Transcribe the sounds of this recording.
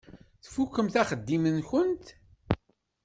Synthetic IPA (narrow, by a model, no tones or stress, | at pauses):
θfukːəmθæχəd̪ːimənçənt̪